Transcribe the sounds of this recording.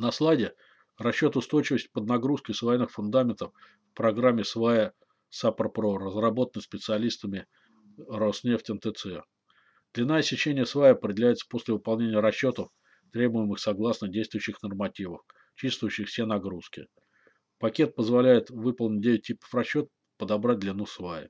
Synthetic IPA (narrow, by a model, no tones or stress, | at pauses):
nɐslˠajdʲɪ | rɐɕːo̞t̪ʊst̪o̞jt͡ɕɪvəsʲtʲpəd̪nɐɡɾuskəsvɐjɛnːɨxfʊnd̪amʲɪnt̪əf | fpɾɐɡɾamʲːɪsvajə | saprpɾorəzrɐbo̞t̪ənɨxʲspʲɪt̪sɨɐlʲist̪əmʲɪ | rosnʲeftʲɛnt̪ət̪sɛ | d̪̥lʲɪnːajəsʲɪt͡ɕenʲɪjəsvajəɐpɾʲɪdʲɪlʲæjɪt̪sə̥po̞sʲlʲɪvɨpɐlˠnʲenʲɪjəɾɐɕːo̞t̪əf | t̪ɾʲe̞bʊjɪmɨxsɐɡlˠasnədʲejst̪vʊjʏɕːɪxnərmɐtʲivəf | t͡ɕist̪vʊjʉɕːɪxfsʲenɐɡɾuskʲɪ̰ | pɐkʲe̞t̪̚pəzvɐlʲæjɪt̪vɨpəlˠnʲɪt̚ʲdʲeʋʲɪt̚ʲtʲːipə̥frɐɕːo̞t̪̚ | pəd̪ɐbɾat̚ʲd̪lʲɪnusvajɪ̰